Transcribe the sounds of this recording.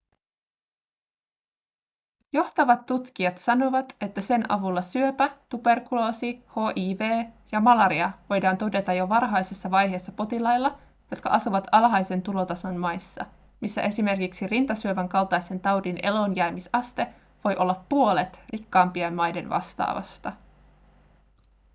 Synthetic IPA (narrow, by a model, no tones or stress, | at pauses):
jo̞ht̪ɑʋɑt̪ːut̪k̟iɑt̪sɑno̞ʋɑt̪e̞t̪ːæse̞nʔɑ̰ʋulːɑsyøpæt̪ube̞rkulo̞ːsiho̞ːʔiːʋe̞ːjɑmɑlɑɾiɑʋo̞jdɑːnt̪o̞de̞t̪ɑjo̞ʋɑrɦɑjsesːɑʋɑjɦe̞ːsːɑpo̞t̪ilɑjlːɑ | jo̞t̪kɑ̰ʔɑsuʋɑt̪ʰɑlɦɑjse̞nt̪ulo̞t̪ɑso̞nmɑjsːɑ̰ | misːæ̰ʔe̞sime̞rkiksirint̪ɑsyøʋæŋkɑlt̪ɑjse̞nt̪ɑwdinʔe̞̰lo̞njæmisɑst̪e̞ | ʋo̞jʔo̞lːɑpːuo̞let̪rikːɑːmpiemmɑjde̞nʋɑ̰st̪ɑ̰ːʋɑ̰st̪ɑ